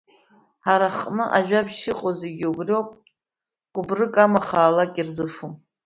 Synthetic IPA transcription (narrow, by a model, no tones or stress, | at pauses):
haɾaχnɨʔaʒᶣabʃɪqʼozeɡʲiubriopʼ | ɡ̥ʷʊbrɨkʼamaχaːlakʲʼirzɨfum